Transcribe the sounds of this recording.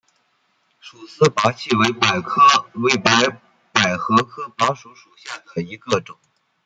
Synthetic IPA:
ʂu˨˩sɹ̩˥˩pa˧˥t͡ɕʰi˥˩we˧˥ɪpa˨˩ɪkʰɤ˥we˧˥˩ɪpa˧˥ɪ | pa˨˩ɪxɤ˧˥kʰɤ˥pa˧˥ʂu˧˥ʂu˨˩ɕja˥˩ə˨˩ni˧˥ɡə˥˧ʈ͡ʂʊ˨˩˦ŋ

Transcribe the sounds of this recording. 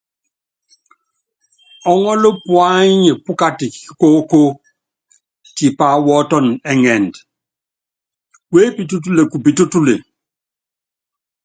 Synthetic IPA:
ɔ˨ŋɔ˦lo˦pwa˦i˦ɲe˨pu˦ka˦ti˨˦ko˦ko˦ | ti˨pa˨˦wɔ˦tɔ˦˨nɛ˨ŋɛ˨nd | we˦pi˨tu˦t̬u˦le˨ku˨pi˨tu˦tu˦le˨

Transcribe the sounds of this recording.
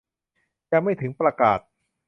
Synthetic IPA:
t͡ɕɛ˧ma˥˩jt̪ʰɯ˩˦ŋpɾa˧kaː˨˩t̪̚

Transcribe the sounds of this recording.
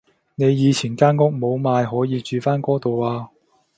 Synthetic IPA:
ne˨˧jjiː˨˧t͡ɕʰiː˨˩nkaː˥nkʊ˥k̚mo˨˧wmaː˨˧jɦɔː˨˥jiː˨˧t͡ʃyː˨˧faː˥nkɔː˥t̪o˨waː˧

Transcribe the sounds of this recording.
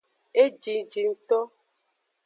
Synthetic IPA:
e˦d͡ʒi˨d͡ʒi˨n̩˨t̪ɔ˦

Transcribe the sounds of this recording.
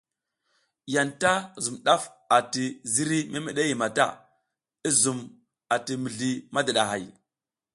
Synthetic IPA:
ja˨nta˦zu˨mɗa˦f | a˨ti˨zi˦ɾi˦me˦me˨ɗe˦ji˨ma˨ta̰˦˨ | i˦zu˨m | a˨ti˨mi˨ɮi˨ma˦da˨ɗa˨ɦa̰˨j

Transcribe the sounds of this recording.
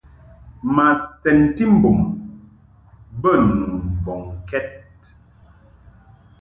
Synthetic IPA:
ma˨sɛ˨nti˦m̩˦bo˨m | bə˦nu˨n˨bɔ˨ŋkɛ˦t̚

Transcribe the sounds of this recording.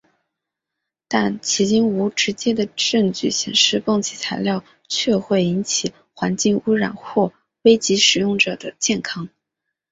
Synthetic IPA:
t̪a˥˩nt͡ɕʰi˧˥t͡ɕi˥nu˧˥ʈ͡ʂɻ̩˧˥t͡ɕjɛ˥d̪ə˨ʈ͡ʂɤ˥˧ŋt͡ɕy˥˩ɕjɛ˨˩nʂɻ̩˥˧pɤ˥˩ŋt͡ɕʰi˨˩t͡sʰa˧˥ɪljɑ˥˧ʊ | t͡ɕʰɥɛ˥˧xwe˥˩ɪi˧˥nt͡ɕʰi˨˩ | xwa˧˥nt͡ɕi˥˩ŋu˥ɻa̰˨˩nxwɔ˥˩ | we˥ɪt͡ɕi˧˥ʂɻ̩˨˩jʊ˥˩ŋʈ͡ʂɤ˨˩d̪ə˦t͡ɕjɛ˥˩nkʰɑ˥ŋ

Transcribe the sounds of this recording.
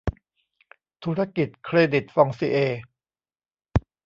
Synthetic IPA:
t̪ʰuː˦˥ɾa˦˥ki˨˩t̪̚kʰɾeː˧di˨˩t̪̚fɔ˧ŋsi˧ʔeː˧

